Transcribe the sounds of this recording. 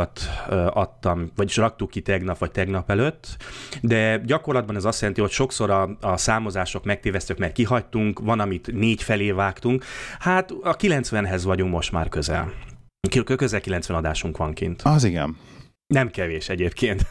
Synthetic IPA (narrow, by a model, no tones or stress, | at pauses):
t̪øɒt̪ːɒmvɒɟiʃrɒk̚t̪ukːit̪ɛɡnɒpʋɒc̚t̪ɛɡnɒpɛløt̪ːd̪ɛɟɒko̞rlɒd̪bɒnɛzɒst̪jɛlɛnt̪iho̞cʃo̞kso̞ɾɒɒsaːmo̞zaːʃo̞kmɛk̚t̪eːvɛst̪økmɛrkiɦɒct̪uŋkʋɒnɒmit̪neːcfɛleːvaːkt̪uŋkhat̪ɒkilɛnt̪sʋɛnɦɛzʋɒɟuŋkmo̞ʃt̪ma̰ːrkø̞zɛ̰l | kkøkøzɛlkilɛnsʋɛnɒd̪aːʃuŋkʋɒŋkḭnt̪ɒziɡɛ̰n | nɛmkɛveːʃɛɟeːpkeːnt̪